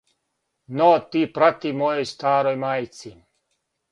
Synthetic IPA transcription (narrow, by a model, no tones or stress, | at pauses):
not̪iːpɾat̪imojojst̪aːɾojmaːjt̪si